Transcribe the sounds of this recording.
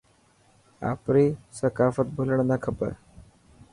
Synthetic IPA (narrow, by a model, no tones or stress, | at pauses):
a̰pɾiːsəkafət̪̚bʱuləɳnakʰəpə̰ɾ